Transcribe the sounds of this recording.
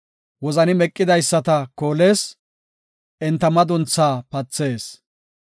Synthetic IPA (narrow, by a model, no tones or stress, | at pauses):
wɔzɐnɪmɛkʼːɪd̪ɐjsːɐt̪ɐko̞ːle̞ːs | ɛnt̪ːɐmɐd̪ʊnt͡sːaːpɐt͡sːe̞ːs